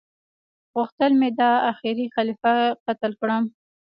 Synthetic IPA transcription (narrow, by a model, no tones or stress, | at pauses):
ɣʊxt̪əlmed̪ɑaxɪɾixalifaqat̪əlkɽəm